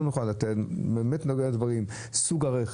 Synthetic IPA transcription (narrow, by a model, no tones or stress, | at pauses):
nuχalːatetbeːmetnoɡeadvaʁim | suɡaʁeχ